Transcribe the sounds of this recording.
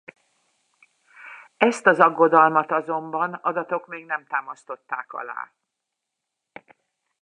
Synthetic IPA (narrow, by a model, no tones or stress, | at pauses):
ɛst̪ɒzɒɡːo̞d̪ɒlmɒt̪ɒzo̞mbɒnɒd̪ɒt̪o̞kmeːɡnɛmt̪aːmɒst̪o̞t̪ːaːkɒ̰la̰ː